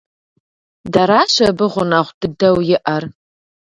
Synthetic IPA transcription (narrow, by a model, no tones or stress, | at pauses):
dɐɾaːʃɐbɨʁʷʊnaʁʷdɨdɐwjɪʔɐr